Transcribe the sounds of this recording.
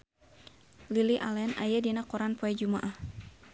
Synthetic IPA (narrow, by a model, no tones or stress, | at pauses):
liliʔalɛna̰jadinakɔɾanpɔɛd͡ʒumaʔah